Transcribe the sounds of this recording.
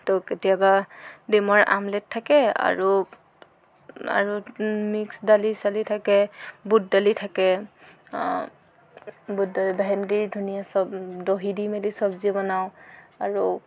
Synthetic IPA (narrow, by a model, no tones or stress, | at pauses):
toketijabademɔɹʔa̰mlɛttʰːakɛa̰ɹu | a̰ɹumiksdalisalitʰakɛbud̚dalitʰakɛ | buddalibaɦɛndiɹdʱunijasɔbdoɦidimelisɔb̚zibɔnaʊaɹu